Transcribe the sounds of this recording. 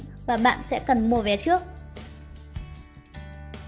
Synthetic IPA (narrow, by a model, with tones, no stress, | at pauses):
vaː˨˩ɓa̰ː˧˨nsɛ̰˧˥kə˨˩nmu˨˩vɛ˨˩t͡ɕɨ˦˥ək̚